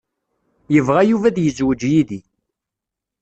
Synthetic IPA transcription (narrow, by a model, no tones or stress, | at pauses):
jəvʁæjuvæðjəzwəd͡ʒjiði